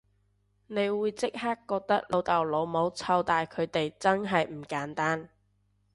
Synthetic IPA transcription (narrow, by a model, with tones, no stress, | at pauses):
ne˨˧jwuː˨˧jt͡sɪ˥k̚haː˥kːɔː˧k̚t̪ɐ˥k̚lo˨˧wt̪ɐ˨˩wlo˨˧wmo˨˧wt͡sʰɐ˧wt̪aː˨jkʰɵ˨˧ɥt̪e˨jt͡sɐ˥nɦɐ˨jm̩˨˩kaː˨˥nt̪aː˥n